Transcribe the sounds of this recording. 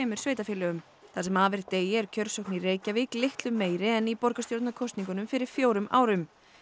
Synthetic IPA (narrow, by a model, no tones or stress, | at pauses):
ɛːmʏɾ̥sveːjt̪afɪlʏʏm | θḁsɛmaːvɛɾt̪eːjɪɛɾcʰœɾ̥sowknireːjcavɪklɪht̪lʏmːeːjɾɪɛnipɔɾkast̪jowɾt̪nakʰɔst̪niŋkʏnʏmfɪɾɪɾ̥fjoːwɾʏmʔa̰ːwɾʏm